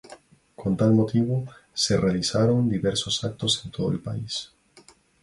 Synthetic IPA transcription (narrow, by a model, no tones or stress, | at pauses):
kʰont̪almot̪iβoserealisaɾo̞nd̪iβeɾsosak̚t̪o̞sent̪ʰoðoelpa̰is